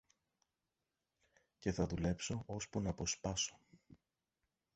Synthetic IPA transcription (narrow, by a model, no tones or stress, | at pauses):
ce̞θɐðule̞pso̞ʔospunɐpo̞spɐso̥